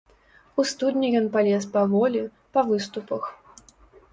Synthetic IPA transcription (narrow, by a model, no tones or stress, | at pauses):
ust̪ud̪ʲnʲɛjɔnpalʲɛspɐvɔlʲi | pɐvɨst̪upɐx